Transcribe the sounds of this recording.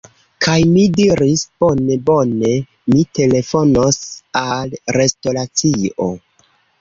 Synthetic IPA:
kʰajmidiɾisb̥o̞ne̞bo̞ne̞ | mite̞le̞fo̞nosalɾe̞sto̞ɾat͡sio̰

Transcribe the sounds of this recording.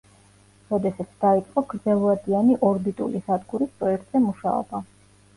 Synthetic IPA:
ɾɔd̪ɛsat̪sʰd̪̥ait̪sʼqʼɔɡɾd̪zɛlˠvad̪ianiʔɔɾbit̪ʼṵlisad̪ɡuɾispɾɔɛk̚t̪ʼz̥ɛmuʃa̰ɔ̰ba

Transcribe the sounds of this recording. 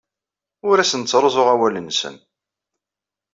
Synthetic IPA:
ʊɾæsənt͡sːɾˤozˤoʁæwælənsə̰n

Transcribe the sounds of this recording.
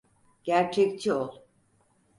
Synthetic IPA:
ɟ̥æɾt͡ʃʰɛct͡ʃʰiolˠ

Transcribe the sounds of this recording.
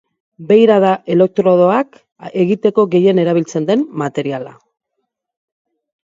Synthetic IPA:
be̞jɾaðaʔe̞le̞k̚t̪ɾoð̞o̞ak | e̞ɣit̪e̞ko̞ɣe̞je̞ne̞ɾaβ̞ilt͡se̞nd̪e̞mmat̪e̞ɾiala̰

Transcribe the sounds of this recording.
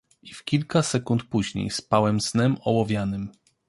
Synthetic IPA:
ifkʲilkasɛkunt̪puʑɲḛjspawɛmsnɛmɔwɔvʲjanɘm

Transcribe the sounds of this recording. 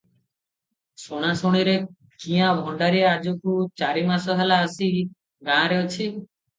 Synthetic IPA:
soɽ̃asoɽ̃iɾe | kiãbʱɔɳɖaɾiad͡ʒɔkut͡ʃaɾimasɔɦelaəsi | ɡãɾeot͡ʃʰi

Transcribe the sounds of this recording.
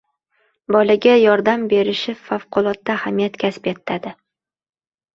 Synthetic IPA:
bɒlaɡʲajɒɾd̪ambe̞ɾɪʃɪfafqʰʊlˠɒt̪ːahamijat̪kʲʰaspet̪ʰːad̪ɪ

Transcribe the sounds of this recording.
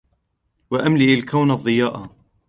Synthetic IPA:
waʔamlɪʔalkawnɑðˤːɨjaːʔa

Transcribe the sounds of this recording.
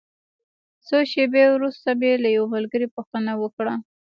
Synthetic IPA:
soʃebewɾust̪abelajawamalɡəɾipuxt̪ənawəkɽa

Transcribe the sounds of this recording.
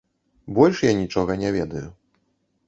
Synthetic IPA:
bɔlʲʂjanʲit͡ʂɔɣɐnʲɛvʲɛd̪ɐju

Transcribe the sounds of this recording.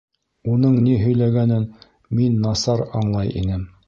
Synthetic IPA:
unɤɴniɦɵ̆jlæɡænɘn | minːɑsɑɾɑɴlˠɑjḭnɘm

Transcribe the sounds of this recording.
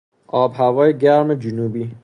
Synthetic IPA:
ʔɒːbhævɒːjeɟæɾmed͡ʒunuːbiː

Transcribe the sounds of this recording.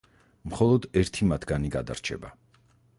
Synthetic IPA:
mχɔlˠɔd̪ɛɾt̪ʰimat̪ʰɡaniɡad̪a̰ɾt͡ʃʰɛ̰ba̰

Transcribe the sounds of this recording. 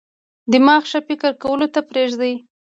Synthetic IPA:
d̪əmɑxʃafɪkəɾkawəlot̪apɾeʒd̪əj

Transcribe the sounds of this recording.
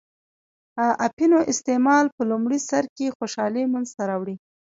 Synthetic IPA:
aʔapinoʔɪst̪emɑlpəlumɽisaɾkexoʃɑlimanzt̪aɾɑwɽi

